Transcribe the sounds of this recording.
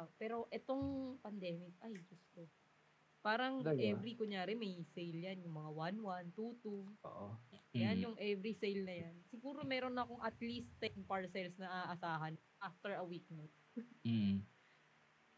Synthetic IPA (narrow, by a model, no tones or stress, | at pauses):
pɛːɾo̞ʔɛt̪o̞ŋpɐnd̪ɛːmɪk̚ʔajɡʊst̪o | paːɾɐŋʔɛvɾikʊɲjaːɾɛmɐjsejljanjʊŋmɐŋawanwant̪ut̪uo̰ʔoɐjanjʊŋʔɛvɾisejlnɐjansɪɡuːɾo̞mɛːɾo̞nːɐɐko̞ŋʔɐt̪list̪ːɛnpaɹsɛlsnɐʔaːʔɐsaːɦɐn | ʔaft̪ɛɹɐwik̚nɐt̪̩̚